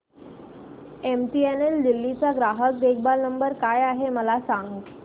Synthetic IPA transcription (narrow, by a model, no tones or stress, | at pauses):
emʈieneld̪ilːit͡saɡɾaɦək̚d̪ekʰbalnəmbəɾkajaɦeməlasaŋɡ